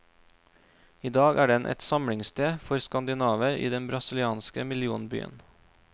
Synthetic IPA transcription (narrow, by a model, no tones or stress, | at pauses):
iːd̪ɑːɡʔæːɖɛnʔɛ̰t̪sɑmɽɪŋst̪ʰeːfɔɾskɑnd̪ɪnɑːʋəɾḭːd̪ɛnbɾɑsɪlɪɑːnskəmɪlɪuːnby̰ːə̰n